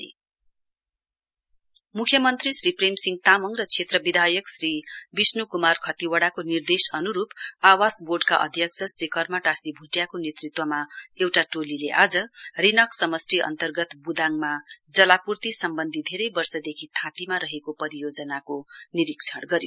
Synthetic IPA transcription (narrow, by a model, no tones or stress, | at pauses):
mukʰjʌmʌnt̪risripremsiŋɡt̪amʌŋrʌt͡sʰet̪rʌbid̪ʱajʌksribisnukumarkʰʌt̪iwʌɽakonird̪esʌnuɾupawasborɖkaʔʌ̰d̪ʱjʌkt͡sʰʌsrikʌrmaʈasibʱuʈjakonet̪rit̪wʌmaewʈaʈolileʔad͡zʌrinʌksʌmʌsʈiʔʌ̰nt̪ʌrɡʌt̪bud̪ʱaŋmad͡zʌlapurt̪isʌmbʌnd̪ʱid̪ʱeɾʌjbʌrsʌd̪ekʰit̪ʰãt̪imaɾʌɦekopʌɾijod͡zʌnakoniɾik̚t͡sʰʌɽɡʌɾjo